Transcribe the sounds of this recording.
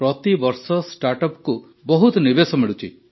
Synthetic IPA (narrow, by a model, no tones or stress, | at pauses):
pɾɔt̪ibɔɾsɔsʈaɾʈɔpku | bɔɦut̪ɔnibesɔmiɭut͡ʃʰḭ